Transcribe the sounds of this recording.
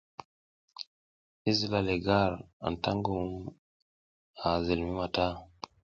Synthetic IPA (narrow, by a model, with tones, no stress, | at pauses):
i˦zi˦˨la˨le˨ɡa˦˨ɾa̰˨n˨ta˦ŋɡu˨˦m | a˨ze˨lmi˦ma˨ta˦